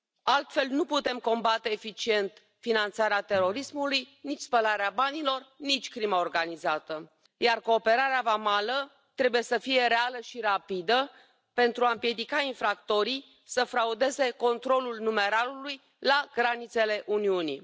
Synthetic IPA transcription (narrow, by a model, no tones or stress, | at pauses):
alt̪fe̞lnuput̪e̞mko̞mbat̪e̞ːfit͡ʃie̞nt̪ | finant̪saɾeat̪e̞ɾo̞ɾismulujnit͡ʃʲspəlaɾeabanilo̞rnit͡ʃʲkɾimaorɡanizat̪ə | jarko̞ːpe̞ɾaɾeavamalə | t̪ɾe̞buje̞səfije̞ɾealəʃiɾapid̪ə | pe̞nt̪ɾuaɨmpje̞d̪ikainfɾakt̪o̞ɾi | səfɾaud̪e̞ze̞ko̞nt̪ɾo̞lulnume̞ɾaluluj | laɡɾanit̪se̞le̞ʔuniunḭ